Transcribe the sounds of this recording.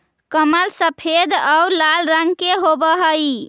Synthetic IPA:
kəməlsəpʰed̪awlalɾəŋɡkeɦobəɦəj

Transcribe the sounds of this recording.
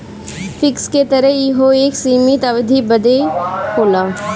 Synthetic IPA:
fʰɪksket̪əɾəɦjɪɦoeːksiːmɪt̪ɐʋd̪ʱibəd̪ekoːlaː

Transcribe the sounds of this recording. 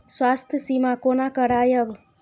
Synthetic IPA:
swast̪ʰjəsimakonakəɽajəb

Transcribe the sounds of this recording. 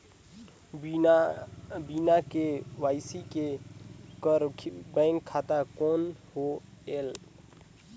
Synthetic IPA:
biːnakeʋaːɪsike | kbəːŋkʰːaːt̪akoːnhoeːl

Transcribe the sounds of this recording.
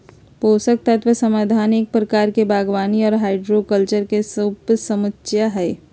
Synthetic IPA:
poːsək̚t̪ət̪ʰʋəsəmaːd̪ʱaːnɪk̚pɾɐkaːɾkebʱaːɡʋaːniɔːɾɦaːɪɖɾokəlt͡ʃəɾkesəbsɐmətʃjaɦɛː

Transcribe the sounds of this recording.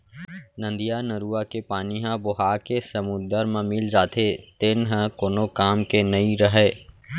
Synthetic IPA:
nɐ̃nd̪ijanɐɾuːakepaːniɦãbʊɦaːkesɐmʊd̪əɾmẽmɪld͡ʒaːt̪ʰet̪enɦɐ̃koːnokaːmkenɐĩɾəɦɛː

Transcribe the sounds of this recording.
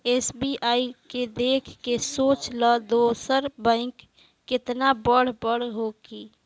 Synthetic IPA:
eːsbiʔaːiked̪eːkʰkesoːt͡ʃləd̪oːsəɾbə̃ɪkː | ɪt̪nabəɽ̤bəɽ̤ɦokiː

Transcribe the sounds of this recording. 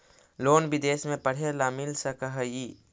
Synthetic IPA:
loːnbid̪eːsmẽpəɽ̤elamɪlsəkəɦəji

